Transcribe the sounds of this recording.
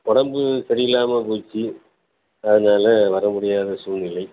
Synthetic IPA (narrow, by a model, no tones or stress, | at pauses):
kɔɽɐmbɯsɐɾɪjɪlaːmɐpuːt͡ʃːi | ɐðɯnaːlɐʋɐɾɐmʊɽɪjaːðɐsuːnɪlɐɪ